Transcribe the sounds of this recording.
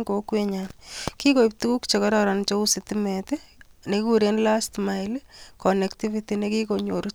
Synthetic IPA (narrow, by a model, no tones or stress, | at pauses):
ŋɡokweɲankikoip̚tukukt͡ʃekɔɾɔɾant͡ʃousitimetenekuɾenlastmaɪlkɔnektivitinekikoɲoɾu